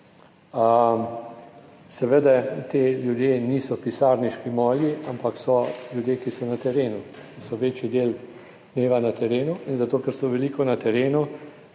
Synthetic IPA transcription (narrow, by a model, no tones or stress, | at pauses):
ə | sɛʋəd̪ɛt̪eːljud̪jeniːsɔpisaːɾniʃkimɔːliʔampaksɔljud̪jeːkisɔnat̪ɛɾeːnu | kisɔʋeːt͡ʃjid̪eːl | d̪neːʋanat̪ɛɾeːnuinzat̪oːkɛɾsɔʋɛlikɔnat̪ɛɾeːnu